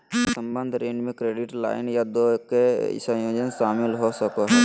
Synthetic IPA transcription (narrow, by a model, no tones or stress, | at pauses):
sə̃mbənd̪ʱɾeːɳɖmẽkɾeːɖɪʈla̰ːɪnjad̪okeɪ̰sajoːd͡ʒənʃaːmɪlɦosəkoɦɛ